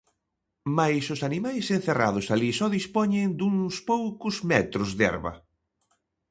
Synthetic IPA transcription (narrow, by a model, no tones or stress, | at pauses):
majsʊsanimajsẽnθera̰ðʊsalisɔðispɔɲeŋd̪uŋspowkʊzmɛt̪ɾʊzðɛ̰ɾβɐ̰